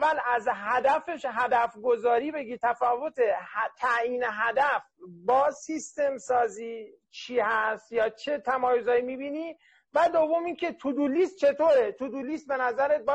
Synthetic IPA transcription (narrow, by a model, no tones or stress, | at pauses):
vælæzɦæd̪æfe̞ʃɦæd̪æfɡo̞zɒːɾiːbe̞ɡiːt̪ʰæfɒːvot̪ʰet̪ʰæjiːneɦæd̪æfbɒːsist̪e̞msɒːziː | t͡ʃʰiːhæst̪jɒːt͡ʃʰe̞t̪ʰæmɒːjozɒːimiːbiːniː | væd̪ovːomiŋcʰe̞t̪ʰud̪uliːst̪̚t͡ʃʰe̞t̪ʰoːɾet̪ʰud̪ulist̪̚be̞næzæɾeb